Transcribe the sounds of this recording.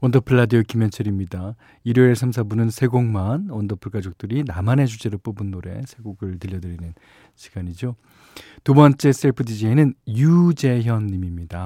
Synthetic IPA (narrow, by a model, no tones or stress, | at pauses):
wʌndʌpʰɯɭːadiokimjʌnt͡ɕʰɯɾimɲida | iɾoeɭsʰams̬ʰabunɯnsʰe̞ɡoŋmanʌndʌpʰɯɭk͈ad͡ʑok̚t͈ɯɾinamane̞d͡ʑud͡ʑe̞ɾop͈obɯnːoɾe̞̰sʰe̞ɡoɡɯɭtɯʎːʌdɯɾinɯn | ɕʰi̥ɡ̥aɲid͡ʑo | tubʌnt͡ɕ͈e̞s͈eɭpʰɯdid͡ʑeinɯnjud͡ʑe̞çjʌnːimimɲida